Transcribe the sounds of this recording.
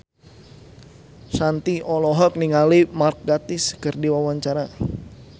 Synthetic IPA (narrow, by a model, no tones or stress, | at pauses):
sant̪iʔɔlɔɦɔk̚niŋalimark̚ɡat̪ɪskɨrdiwawaɲt͡ʃaɾa